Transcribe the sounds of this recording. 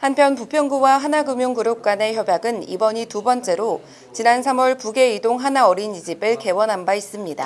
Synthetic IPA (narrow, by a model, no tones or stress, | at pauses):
hanpʰjʌnpupʰjʌŋɡuwaɦanaɡɯmjoŋkɯɾok̚k͈ane̞çjʌbjaɡɯnḭbʌɲitubʌnt͡ɕ͈e̞ɾo | t͡ɕinansʰamwʌɭpuɡe̞idoŋɦanaʌɾinid͡ʑibɯɭke̞wʌnɦanbais͈ɯmɲida̰